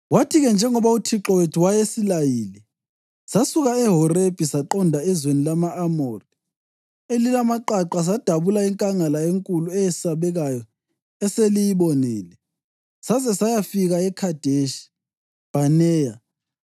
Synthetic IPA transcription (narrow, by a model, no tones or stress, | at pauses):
watʰiɣɛnd͡ʒʱɛŋɔβautʰiǁɔwetʰiwajesilajiːlɛ | sasuɣaɛɦɔreb̥ʱisaǃɔndʱaɛzwenilamaːmori | elilamaǃaǃas̬ad̥ʱaβulaiŋkʼaŋalaeŋkʼuluɛjɛsaβɛɣajɔ | ɛselijiβɔnɛːlɛ | sazɛsajafiɣaɛkʰad̥ʱeʃi̥ | b̥ʱanɛːja